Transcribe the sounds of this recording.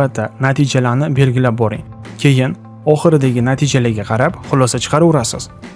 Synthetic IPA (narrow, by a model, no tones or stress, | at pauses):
at̪ʰːanat̪ʰid͡ʒalaɾnɪbe̞lɡʲɪlap̚bɒɾɪŋ | kʲʰe̞jɪn | ɒχɨɾɪd̪aɡʲɪnat̪ʰid͡ʒalaɡʲaqʰɑɾapχʊlˠɒsat͡ʃʰɨ̥qʰɑɾʊɾasɪ̰z̥